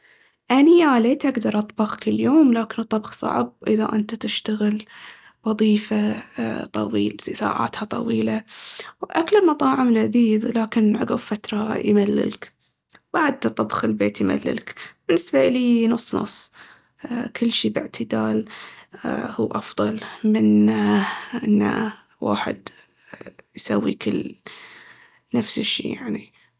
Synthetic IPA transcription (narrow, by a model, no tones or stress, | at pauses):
ʔanjaleːt̪ʔaɡd̪ɑɾˤʔɑt̪ˤbɑɣkɪljoːmlaːkɪnɨt̪ˤːɑbxsˤɑ̰ʕb̚ʔɪðaʔɪnt̪at̪ɪʃt̪aɣɪl | wɑðˤiːfat̪ˤɑ̰wḭːlsa̰ːʕa̰ːt̪hɑt̪ˤɑ̰wiːlawʔaklɪlmɑt̪ˤɑːʕɪmlʔad̪iːðlaːkɪnʕaɡaffat̪ɾˤɑjmalːɪ̰lk | baʕd̪t̪ˤːɑbxɪlbeːt̪jma̰lːɪ̰lkb̥ɪnːɪsbaʔliːnʊsˤːnʊ̰sˤː | kʰɪlːʃiːbɪʕt̪ʰɪd̪aːl | huːʔɑfðˤɑlmɪn | ʔɪnːa̰ | wa̰ːħɪ̰d̪ | jsawːḭːkʰɪlː | nafsɪʃːḭːjaʕni